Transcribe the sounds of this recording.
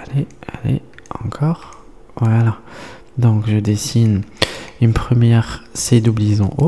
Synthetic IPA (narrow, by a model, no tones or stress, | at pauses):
alea̰lḛɑ̰̃kʰɔʁ | wala | d̪ɔ̃kʒəd̪esinynpχəmjɛʁsed̪ublizɔ̃ʔo